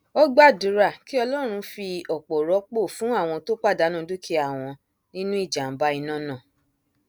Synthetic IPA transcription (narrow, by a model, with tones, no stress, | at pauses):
ɔ˦ɡ͡ba˦˨du˨˦ɾa˦˨ki˦ɔ˧lɔ˦˨ɾ̃ũ˧fi˧ɔ˨k͡pɔ˨ɾɔ˨˦k͡po˦˨fũ˨˦a˦˨w̃ɔ̃˧to˦k͡pa˦˨da˨˦nã˦du˦ki˦a˦˨w̃ɔ̃˧ | nĩ˦nũ˦i˦˨d͡ʒa˨m̩˨ba˦i˧nã˦nã˦˨